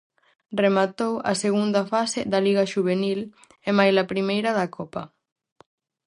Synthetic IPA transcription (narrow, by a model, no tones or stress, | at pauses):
remat̪owɐ̰seɣ̞und̪ɐfaseðɐliɣaʃuβ̞enil | emajlapɾimejɾɐðɐkʰɔpɐ̰